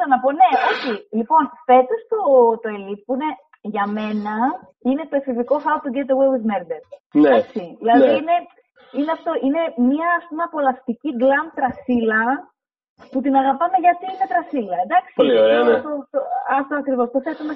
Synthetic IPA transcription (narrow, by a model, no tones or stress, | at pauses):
ɐnɐpo̞ne̞o̞çilipo̞nfe̞t̪ost̪ot̪oe̞lipuine | ʝɐme̞nɐ | ine̞t̪oefiviko̞fɐot̪uɟet̪owewizmeɾd̪eɾd̪ɐksiðilɐðiine̞ | ineɐft̪o̞ʔine̞miɐːspumeɐpo̞lɐft̪iciɡlɐm̚t̪ɾɐsilɐ | put̪inɐɣɐpɐme̞ʝɐt̪iine̞t̪ɾɐsilɐend̪ɐksiooɐt̪oɐkɾivo̞st̪ofet̪ume